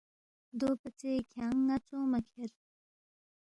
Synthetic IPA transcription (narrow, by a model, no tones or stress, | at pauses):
d̪opat͡sekʰaŋːat͡sɔmakʰeɹ